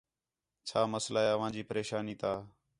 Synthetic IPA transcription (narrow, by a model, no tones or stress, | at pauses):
t͡ʃʰaːməslaːɦeːəʋ̤ãːd͡ʒiːpəɾeːʃaːniːt̪ʰaː